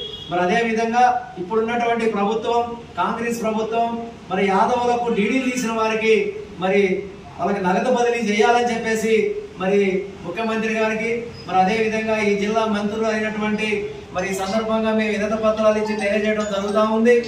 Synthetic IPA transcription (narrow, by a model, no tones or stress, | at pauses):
mɐɾiɐd̪e̞ːʋid̪ʱɐŋɡaːipːuɽunːɐʈuʋɐɳʈipɾɐbʱut̪ʋɐmkaːŋɡɾeːspɾɐbʱut̪ʋɐmː | ɐɾijaːd̪ɐʋɐlɐkːuɖiːɽiːt̪iːsinɐʋaːɾikimɐɾi | ʋɐlɐkinɐɡɐt̪ɐpɐd̪ilit͡ʃɛːjaːlɐnit͡ʃepːe̞ːsimɐɾimukʰjɐmɐnt̪ɾiɡaːɾikimɐɾiɐd̪e̞ːʋid̪ʱɐŋɡaːiːd͡ʒilːaːmɐnt̪uɾuɐjnɐʈuʋɐɳʈi | mɐɾiːsɐnd̪ɐɾbʱɐŋɡaːmeːminɐt̪ɐpɐt̪ɾaːlit͡ʃit̪ɐjɐɾd͡ʒɛjɐʈɐmd͡ʒ̪ɐɾuɡut̪aːund̪i